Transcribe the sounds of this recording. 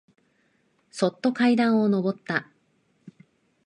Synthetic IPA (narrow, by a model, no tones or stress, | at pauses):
so̞t̪ːo̞kaid̪ãɰ̃o̞no̞bo̞t̪ːa